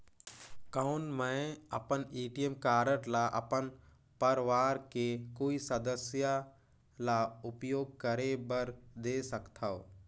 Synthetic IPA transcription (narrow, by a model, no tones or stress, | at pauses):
kaʊnmə̃ɐ̰pəniːʈijemkaːɾəʈlaʔɐ̰pən | pəɾʋaːɾkekoːisəd̪əsja | laʊpjoːɡ̚kəɾebəɾd̪eːsəkt̪ʰao̰